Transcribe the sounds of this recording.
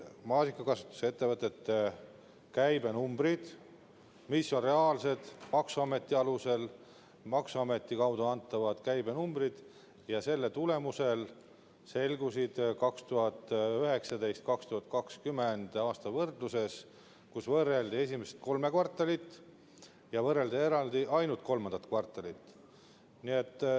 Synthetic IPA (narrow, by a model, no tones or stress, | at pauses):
mɑːsikːˑɑkɑsu̥t̪ːˑu̥se̞t̪ːe̞vɤt̪ːˑet̪ːe | kæjbe̞numbɾid̪̥ | misːo̞nre̞ɑːlse̞d̪̥mɑksuɑme̞t̪ːˑiɑluse̞l | mɑksuɑme̞t̪ːˑikɑwd̪uɑnt̪ːˑɑvɑd̪̥kæjbe̞numbrid̪̥ | jɑse̞lːet̪ule̞muse̞l | se̞lɡusid̪̥kɑkst̪uɦɑt̪ːˑyɦe̞ksɑd̪e̞jst̪̚kɑkst̪uhɑt̪ˑkɑkskymend̪̥ɑːst̪ɑvɤrd̪luse̞s | kusvɤrːe̞ld̪ie̞s̬ʲimese̥t̪̚ko̞lme̞kvɑrt̪ˑːɑlit̪ːˑ | jɑvɤre̞ld̪ie̞ɾɑld̪iʔɑjnult̪̚ko̞lmɑnd̪ɑt̪kvɑrt̪ːˑɑlit̪ːˑ | niet̪ːˑ